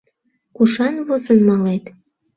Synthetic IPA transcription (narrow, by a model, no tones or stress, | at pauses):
kuʃɑnβozənmɑlet̪